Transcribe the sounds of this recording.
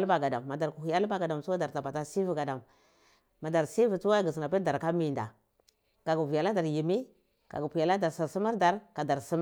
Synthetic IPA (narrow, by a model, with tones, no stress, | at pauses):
lba˨ɡa˨da˨mː˨a˨da˨ɾku˨i˨ja˦lba˨ɡa˨da˨msu˦wa˦da˨ɾta˨pa˨ta˦si˦vi˨ɡa˨da˨m | ma˨da˨ɾsi˦vi˨tu˦wa˦ɡi˨s̬na˨p̬i˦da˨ɾka˦mi˨nda̰˨ | ka˨ɡu˨vi˨ja˨la˦da˨ɾji˨mi˦ | ka̰˨ɡu˨pi˨ja˨la˦da˨ɾsa˨su˦ma˦ɾda˨ɾka˨da˨ɾsi˦m˦